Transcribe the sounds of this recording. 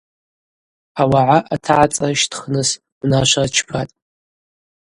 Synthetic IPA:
awaʕaʔatʰaʕat͡sʼaʃtʰχnɨs | mnaʃʷat͡ʃʰpʰatʼ

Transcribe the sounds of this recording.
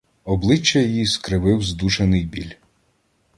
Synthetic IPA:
ɔblˠɪt͡ʃːɐjjiskɾɪʋɪwzd̪uʃenɪjbʲilʲ

